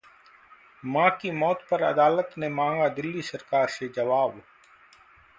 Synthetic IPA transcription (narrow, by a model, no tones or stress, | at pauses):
mãːkiːmoːt̪̚pəɾə̰d̪aːlət̪nẽːmãːŋɡaːd̪ɪlːiːsəɾkaːɾseːd͡ʒəʋaːb